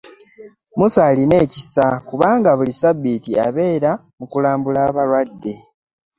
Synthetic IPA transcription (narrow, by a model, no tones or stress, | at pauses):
musaːline̞ːcisakuβaːŋɡaβulisabitia̰βe̞ːɾa | mukulaːmbulaːβaɾwadːe̞